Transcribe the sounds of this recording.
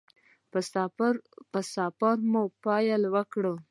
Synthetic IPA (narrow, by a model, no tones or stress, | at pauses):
pəsɑpaɾmupɑjalwəkɽə